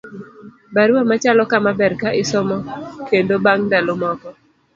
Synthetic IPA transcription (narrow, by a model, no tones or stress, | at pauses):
baɾwamat͡ʃalɔkamabɛɾkaʔɪsɔmɔkendobaŋdalomɔkɔ